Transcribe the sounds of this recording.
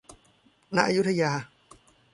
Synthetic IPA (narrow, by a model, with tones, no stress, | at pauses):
na˦˥ʔa˧˨ju˦˥t̪ʰa˧jaː˧